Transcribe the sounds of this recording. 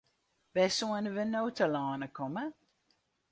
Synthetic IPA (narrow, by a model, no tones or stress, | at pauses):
vɛsuənəvənowtəlɑːnəkʰɔmə